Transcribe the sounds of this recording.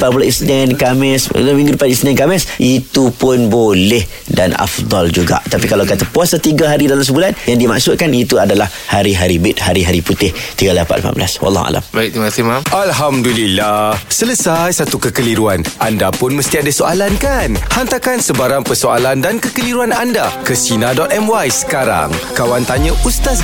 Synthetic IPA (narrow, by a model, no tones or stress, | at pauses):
pabulaʔisnɛnkamɪsamĩŋɡudipadisnɛnkamɪsʔit̪upʊnbolɛh | dana̰fd̪ˤɑld͡ʒuɡa̰ʔt̪apikalawkat̪apuasat̪iɡaɦaɾidalams̬əbulanjaŋdima̰ksʊt̪̚kanit̪uadalah | haɾiɦaɾibɪt̪̚haɾiɦaɾiput̪ɪht̪iɡalapat̪la̰ma̰nbla̰swɑ̰lˠːɑ̰ɦa̰la̰mbajk̚t̪mat̪imamʔalɦamdulilahsələsajsat̪ukəkəliɾuanandapʊnməst̪iadasoʔalankanhant̪akansəbaɾaŋpərsoalandankəkəliɾuanandakəsinadɔt̪ɛmwajsə̥kaɾa̰ŋkawant̪aɲə̃ʔust̪as